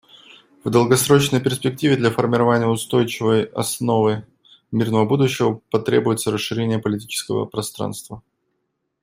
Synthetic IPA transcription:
vd̪əlˠɡɐsɾo̞t͡ɕnəjpʲɪrsʲpʲɪk̚tʲivʲɪd̪lʲafərmʲɪɾɐvanʲɪjəʊst̪o̞jt͡ɕɪvəjɐ̰sno̞vɨ | mʲirnəvəbud̪ʊɕːɪvəpɐt̪ɾʲebʊjɪt̪səɾəsʂːɨɾʲenʲɪjəpəlʲɪtʲit͡ɕɪ̥skəvə̰pɾɐst̪ɾa̰nst̪və

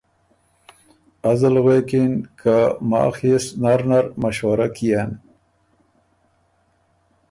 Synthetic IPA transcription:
azalɣekinkʰama̰ːxisnaɾnaɾmaʃwaɾakijan

